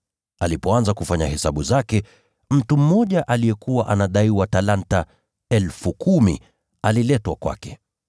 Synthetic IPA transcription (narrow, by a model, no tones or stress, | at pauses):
alipɔanzakufaɲahɛsaɓuzakɛ | m̩tum̩mɔʄaʔalijɛkuwaʔanaɗaiwatalanta | ɛlfukʰumḭ | alilɛtwakwa̰kɛ